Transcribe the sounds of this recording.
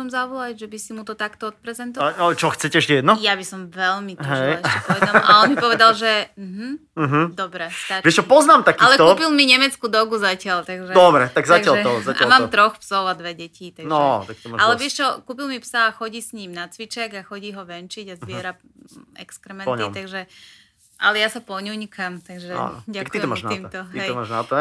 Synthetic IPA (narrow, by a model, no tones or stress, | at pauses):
sɔmzabulaʒɛbisimut̪ɔt̪akt̪ɔɔt̪̚pɾɛzɛnt̪ɔt͡ʃɔxt͡sɛcɛɛʃcɛɛd̪nɔjabisɔmʋɛlmitɦʒɛjɛcɛpɔʋɛd̪amʔaɔnnmipɔʋɛd̪alʒɛm̩ɦ̩ | m̩ɦ̩d̪ɔbɾɛt̪aʋɛʃt͡ʃɔpɔznaːmt̪akialɛkt̪uːpilmiɲɛmɛt͡skuːd̪ɔɡuzacɪalt̪aɡʒɛd̪ɔbɾɛt̪aɡzaɡɪalt̪ɔzaa̰lmaːt̪ɾɔxpsɔʊad̪ʋɛɟɛciːt̪anʒɔt̪ak̚t̪ɔmalɛʋɛʃt͡ʃɔkuːpilmipsaːxɔɟiːsɲiːmnat͡sʋit͡ʃɛɡaxɔɟiːɦɔʋɛnt͡ʃiɟazʋɪɛɾa | ɛ̰kskɾɛmɛnɲit̪aɡʒɛ | ʔalɛjasapɔɲuɲkamt̪aɡʒɛa̰ɟaakkt̪it̪ɔmaːʒnaiːmt̪ɔɦ̪ɛɔmaːʒnat̪a